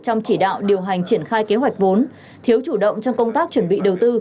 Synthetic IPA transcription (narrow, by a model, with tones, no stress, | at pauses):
t͡ɕɔ˧wŋ͡mt͡ɕi˧˩ɗa̰ː˧˨wɗi˨˩əwɦa˨˩jŋ̟t͡ɕi˧˩ənxaː˧jke˨˦ɦwa˨˩jk̟̚vo˨˦n | t̪ʰi˨ə˦wt͡ɕu˧˩ɗə̰˧˨wŋ͡mt͡ɕɔ˧wŋ͡mkə˧wŋ͡mt̪aː˦˥k̚t͡ɕwə˧˩nɓḭ˧˨ɗə˨˩wt̪ɨ˧